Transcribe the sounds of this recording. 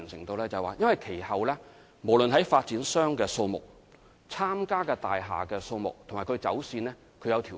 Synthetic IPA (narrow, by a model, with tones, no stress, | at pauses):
ŋsɪ˨˩ŋt̪o˧wlɛː˥t͡sɐ˨waː˨jɐ˥nwɐ˨jkʰe˨˩jhɐ˨wlɛː˥ | mo˨˩wlɵ˨nɦɐ˨˥jfaː˧t̚t͡siː˨˥nsœː˥ŋkɛː˧so˧wmʊ̰˨˩k̚ | t͡sʰaː˥mkaː˥kɛː˧t̪a̰ː˨jɦa̰ː˨˩kɛː˧so˧wmʊ˨k̚t̪ʰmaː˨˩kʰɵ˧t͡sɐ˨˥wsiː˧nlɛː˥ | kʰɵ˧jɐ˨˧wt̪ʰiː˨˩